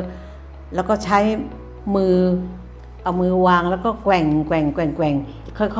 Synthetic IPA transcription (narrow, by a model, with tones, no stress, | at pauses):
lɛ˦˥wkɔː˥˩t͡ɕʰa˦˥j | mɯː˧ | ʔa˨˩wmɯː˧waː˧ŋlɛː˦˥wkɔː˥˩kwɛ˨˩ŋkwɛ˨˩ŋkwɛ˨˩ŋkwɛ˨˩ŋ˨˩ | kʰɔ˥˩jkʰ